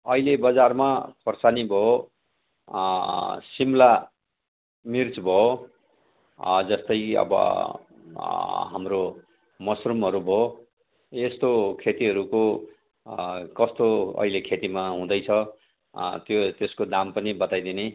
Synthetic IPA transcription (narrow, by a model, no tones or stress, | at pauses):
ʌilebʌd͡zarmakʰorsanibʱʌo | simla | mirt͡sbʱʌo | d͡zʌst̪ʌjʌ̰bʌ̰ | ɦamro | mʌsrumɦʌɾubʱʌo | est̪okʰet̪iɦʌɾuko | kʌst̪oʌ̰ɦilekʰet̪imaɦũd̪ʌjt͡sʰʌ | t̪jot̪eskod̪ampʌnibʌt̪ajd̪ine